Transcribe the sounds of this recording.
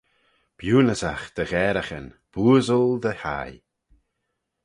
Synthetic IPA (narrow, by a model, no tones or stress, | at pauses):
b̥juːnəzaxd̪̥əɣɛːɾaxən | b̥uːzəlˠd̪əha̰j